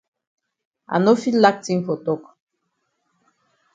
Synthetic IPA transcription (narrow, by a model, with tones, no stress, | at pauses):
a̰˨no˦fi˦lla˦k̚ti˦ŋfo˨to˦˨k